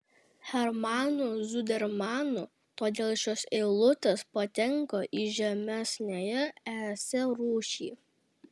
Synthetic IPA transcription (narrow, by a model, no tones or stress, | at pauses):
xʲɛɾmɑːnʊzʊd̪ʲɛɾmɑːnʊ | t̪oːd̪ʲeːlˠʃʲoːsɛɪlˠʊt̪ʲɛspɐt̪ʲɛŋkoːʔiʒʲɛmʲɛsʲnʲejɛæːsʲɛɾuːʃʲiː